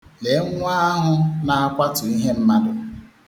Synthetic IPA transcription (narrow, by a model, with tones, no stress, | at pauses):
le˨˦ŋʷ˦a˦a˦ɦʊ˦na˨a˦kʷa˦tʊ˨i˦ɦe˦m̩˦ma˦dʊ˨